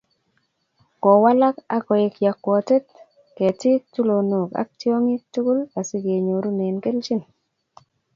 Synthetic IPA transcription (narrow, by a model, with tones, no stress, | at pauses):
kɔ˨wa˦la˦ka˦kɔ˨ɪ˨kja˨kwɔ˨te˦t̚ | ke˨tɪ˦tu˦lo˨nu˨ka̰˦k̚ti˦o˦ŋi˦tu˦ku˦la˨si˦ɡe˨ɲo˨ɾu˦ne˨nke˦lt͡ʃɪ˦n